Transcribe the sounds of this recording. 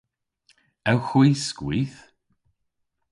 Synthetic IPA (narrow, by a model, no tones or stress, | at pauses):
ɛwxwiːskwiːθ